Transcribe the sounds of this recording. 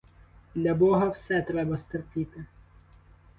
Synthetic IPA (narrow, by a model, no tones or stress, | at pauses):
d̪lʲɐbɔɦɐwsɛt̪ɾɛbɐst̪erpʲit̪ɪ